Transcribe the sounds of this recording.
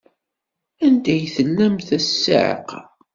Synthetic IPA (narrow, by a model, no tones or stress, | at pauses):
ænd̪æjθəlːæmθæsːa̰ʕə̰q